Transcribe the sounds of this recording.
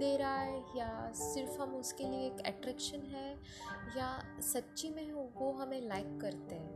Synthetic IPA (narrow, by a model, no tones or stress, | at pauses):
d̪eːɾaːejasɪɾfɦɐmʊskelieːkɛ̰ʈɾɛːkʃənɦɛ | jasɐtːʃimẽʋoɦɐmẽlaːɪkːɐɾt̪eɦɛ̃ː